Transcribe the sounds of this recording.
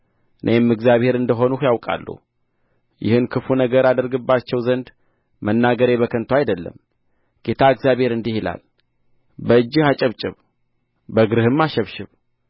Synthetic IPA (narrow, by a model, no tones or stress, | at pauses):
ɨnʔemːɨɡzjaβhe̞ɾɨnd̪əɦo̞nuhjawkʼa̰lːṵh | jɪ̰hɨnkʰɨfunəɡəɾad̪əɾɡɨbːat͡ʃːɛwzənd̪ | mənːaɡəɾeβəkʰənt̪ʰwajd̪əlːə̰m | ɡ̥e̞t̪ʰaɨɡzjaβhe̞ɾɨnd̪ihila̰l | bəɨd͡ʒːɨhat͡ʃʼəβt͡ʃʼɪβ | bəɡɨɾɨhɨmːaʃɛβʃɪβ